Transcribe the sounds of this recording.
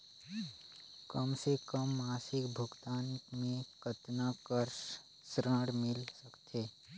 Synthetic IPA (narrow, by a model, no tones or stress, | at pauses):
kəmsekəmːaːsɪkbʱʊɡt̪aːnmẽkət̪nakəɾʃ | sɾə̃ɽmɪlsəkt̪ʰeː